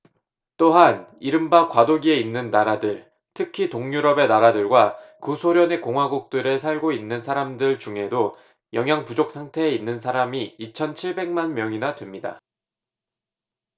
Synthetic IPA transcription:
t͈oɦaniɾɯmbakwadoɡie̞inːɯnːaɾadɯɭ | tʰɯkʰitoŋɲuɾʌbe̞naɾadɯɭɡwakɯsʰoɾjʌnekoŋɦwaɡuk̚t͈ɯɾesʰaɭɡoinːɯnsʰaɾamdɯɭt͡ɕuŋɦe̞do | jʌŋjaŋpud͡ʑok̚s͈ʰaŋtʰe̞ːinːɯns̬ʰaɾamiːt͡ɕʰʌnt͡ɕʰiɭbe̞ŋmanmjʌŋinadwemɲida̰

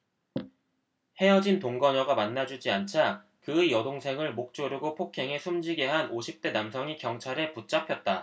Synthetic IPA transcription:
he̞ʌd͡ʑintoŋɡʌɲʌɡamanːad͡ʑud͡ʑiant͡ɕʰa | kɯjʌdoŋsʰe̞ŋɯɭmok̚t͡ɕ͈oɾiɡopʰokʰe̞ŋe̞sʰumd͡ʑiɡe̞ɦanʔoɕʰip̚t͈e̞namsʰʌŋikjʌŋt͡ɕʰaɾe̞put͡ɕ͈apʰjʌt̚t͈a

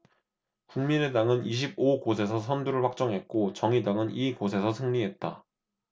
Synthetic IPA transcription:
kuŋmine̞daŋɯniɕ̬ʰib̚oɡosʰe̞s̬ʰʌsʰʌnduɾɯɭɸwak̚t͡ɕ͈ʌŋɦe̞t̚k͈ot͡ɕʌŋidaŋɯniɡosʰe̞sʰʌsʰɯŋɲiɦe̞t̚t͈a̰

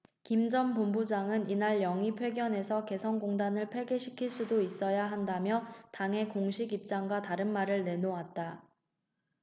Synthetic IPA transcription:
kimd͡ʑʌnpombud͡ʑaŋɯninaɭjʌŋipʰwe̞ɡjʌne̞sʰʌke̞sʰʌnɡoŋdanɯɭpʰwe̞ɡe̞ɕʰi̥kʰiɭs͈udois͈ʌjaɦandamjʌtaŋɦe̞koŋɕʰiɡip̚t͡ɕ͈aŋɡwataɾɯnmaɾɯɭne̞noat̚t͈a

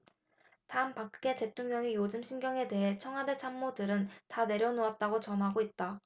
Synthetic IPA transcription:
taɯmpak̚k͈e̞te̞tʰoŋɲʌŋijod͡ʑɯmɕʰinɡjʌŋe̞de̞ɦe̞t͡ɕʰʌŋɦade̞t͡ɕʰamːodɯɾɯntane̞ɾjʌnoat̚t͈aɡot͡ɕʌnɦaɡoit̚t͈a

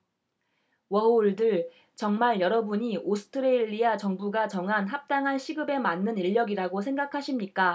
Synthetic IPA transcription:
wʌouɭdɯɭ | t͡ɕʌŋmaɭjʌɾʌbuɲiʔosʰɯ̥tʰɯɾeiʎːiat͡ɕʌŋbuɡat͡ɕʌŋɦanɦap̚t͈aŋɦanɕʰiɡɯbe̞manːɯniʎːʌɡiɾaɡosʰe̞ŋɡakʰaɕʰimɲik͈a

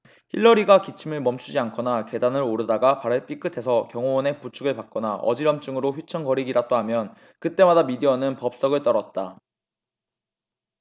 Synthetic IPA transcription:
çʰḭɭːʌɾiɡakit͡ɕʰimɯɭmʌmt͡ɕʰud͡ʑiankʰʌnake̞danɯɾoɾɯdaɡapaɾɯɭp͈ʰik͈ʰɯtʰe̞sʰʌkjʌŋoʌne̞put͡ɕʰuɡɯɭpak̚k͈ʌnaʔʌ̰d͡ʑiɾʌmt͡ɕ͈ɯŋɯɾoɸjut͡ɕʰʌŋkʌɾiɡiɾat͈oɦamjʌn | kɯt͈e̞madamideʌnɯnpʌp̚s͈ʌɡɯɭt͈ʌɾʌt̚t͈a

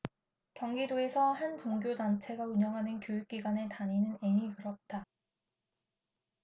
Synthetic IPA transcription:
kjʌŋɡidoe̞sʰʌhant͡ɕʌŋɡjodant͡ɕʰe̞ɡauɲʌŋɦanɯnkjojuk̚k͈iɡwane̞taɲinɯne̞ɲikɯɾʌt̚t͈a

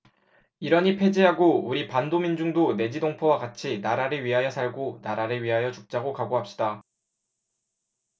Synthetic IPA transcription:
iɾʌɲipʰe̞d͡ʑiɦaɡouɾipandomind͡ʑuŋdone̞d͡ʑidoŋpʰowakat͡ɕʰinaɾaɾɯɭɥiɦajʌsʰaɭɡonaɾaɾɯɭɥiɦajʌt͡ɕuk̚t͡ɕ͈aɡokaɡoɦap̚ɕ͈ida

